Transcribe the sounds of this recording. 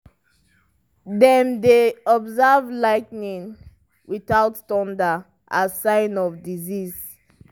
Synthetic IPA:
dɛ̃ndeɔbzavlaɪknĩŋ | wiθaʊttɔ̃ndə | ʔasãɪnɔvdiziz

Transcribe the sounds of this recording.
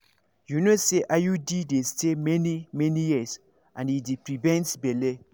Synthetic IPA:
junoseʔajudidestʰemɛnimɛnijis | ʔãnidipɾivɛ̃ntbele

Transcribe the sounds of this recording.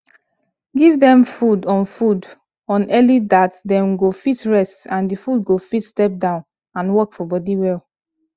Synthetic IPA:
ɡivdɛ̃mfudɔ̃nfud | ɔ̃nɛlidatdɛ̃mɡofitɹɛstãndifudɡofitstɛp̚dãʊ̃n | ãnwɔkfɔbɔdiwɛl

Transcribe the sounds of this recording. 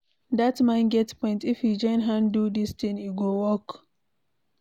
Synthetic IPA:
datmãnɡɛtpɔ̃ɪ̃ntifjid͡ʒãnɦãndudistĩŋiɡowɔk

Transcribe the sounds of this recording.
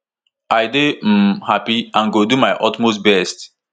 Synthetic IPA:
ʔajdehapiãnɡodumajʔɔtmostbɛst

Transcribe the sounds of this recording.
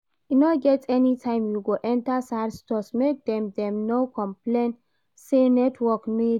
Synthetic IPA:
inɔɡɛtɛnitʰãɪ̃mjuɡoʔɛ̃ntasaɾstɔsmek̚d̪ɛ̃mdɛ̃mnokʰɔ̃mplẽn | senɛtʰwɔkmi

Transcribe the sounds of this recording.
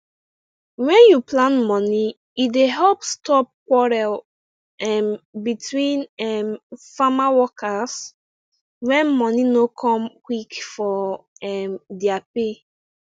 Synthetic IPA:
wɛ̃njuplãnmɔ̃ni | ideɦɛlpstɔp̚kwɔɹɛl | ɛmbitwĩnɛmfamawɔkas | wɛ̃nmɔ̃ninokʰɔ̃mkwikfɔɛmdiape

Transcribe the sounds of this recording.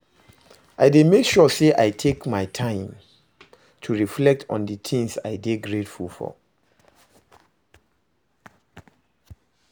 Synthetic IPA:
ʔaɪdemekʃɔseʔaɪtʰekmaɪtʰãɪ̃m | tʰuɹiflɛk̚tʰɔ̰̃ndət̪ʰĩŋsa̰ɪdeɡɹetfulfɔ̰

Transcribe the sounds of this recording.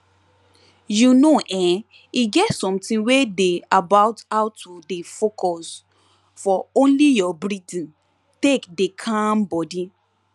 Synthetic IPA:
junoʔɛ̃ | iɡɛtsɔ̃mtĩwedeabaʊtawtudefokʰɔs | fɔõnlijɔbɾidĩn | tekdekʰãnbɔdi

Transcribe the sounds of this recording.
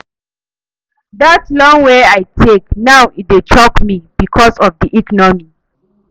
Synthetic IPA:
ðatlɔ̃ŋweajtʰek̚nawit̚det͡ʃʰɔkmib̥ikʰɔsɔvdiʔikɔnɔmi

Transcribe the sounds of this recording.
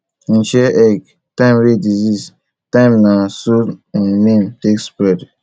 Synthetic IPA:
n̩ʃɛʔɛɡ | tãɪ̃mɾedizis | tãɪ̃mnasõnmĩntekspɾɛd

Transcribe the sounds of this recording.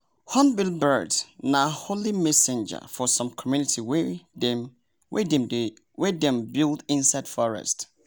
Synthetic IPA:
hɔ̃nbilˠbədnaholimɛsɛ̃nd͡ʒə̰fɔsɔ̃mkʰɔmjunitʰiw | wɛdɛd | wɛdɛ̃mbilˠdĩnsaɪd̥fɔɹɛ̰st

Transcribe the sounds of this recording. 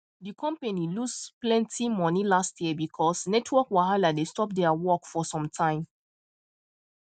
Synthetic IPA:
dikɔ̃mpenilusplɛ̃ntʰimɔnilastjiəbikʰɔsnɛtʰwɔkwaɦaladestɔp̚dɛawɔkfɔsɔ̃mtʰãɪ̃m

